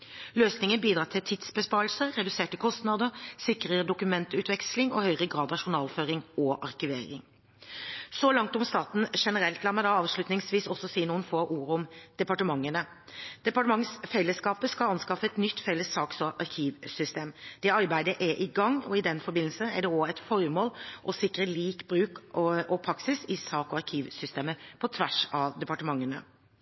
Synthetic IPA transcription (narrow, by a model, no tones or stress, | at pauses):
løːsnɪŋənbiːd̪ɾɑːt̪ʰɪlt̪ʰɪd̪sbəspɑːɾlsəɾɛd̪ʉseːʈəkʰɔst̪nɑd̪əsɪkɾəəd̪ʊkʉmɛnt̪ʉːt̪ʋɛkslɪŋɔhœʏʁəɡʁɑːd̪ɑʂʊnɑːlføːɾɪŋɔʔɑɾkɪʋḛːɾɪ̰ŋ | sɔlɑŋt̪ʊmst̪ɑːt̪n̩ʂɛnəɾɛlt̪lɑːmæɪd̪ɑɑːʋslʉt̪nɪŋsʋiːsɔsːɔsiːnuːənfoːʔuːɾəɔmd̪̥ɛpɑʈəmɑŋːənə | d̪̥ɛpɑʈəmɑŋsfɛlːəskɑːpəskɑlɑnskɑfəɛt̪nʏt̪ːfɛlːəsːɑːksɔʔɑɾkʰiːʋsʏst̪eːmd̪̥ɛɑɾbæɪd̪əʔæʔɪɡɑŋːɔ̰ɪd̪ɛnfɔɾbɪnl̩səæɖɛɔːɛt̪fɔɾmoːlʔɔsɪkːɾəliːkbɾʉːkɔpʰɾɑksɪsɪsɑːkɔɑɾkʰiːʋsʏst̪eːməpʰɔt̪ʰʋæʂɑd̪ɛpɑʈəmɑŋːənə